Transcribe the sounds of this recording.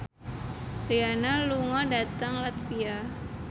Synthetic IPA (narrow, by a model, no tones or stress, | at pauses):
rianaluŋɔdat̪aŋlat̪fia